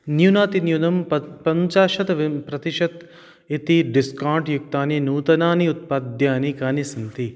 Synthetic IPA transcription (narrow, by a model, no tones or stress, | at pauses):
njunaːt̪injunɐmɐpɐɲt͡ʃaːʃɐt̪ʋpɾɐt̪iʃɐt̪ | it̪iɖiskaːɳʈjuk̚t̪aːninuːt̪ɐnaːniut̪̚paːd̪jaːnikaːnisɐnt̪i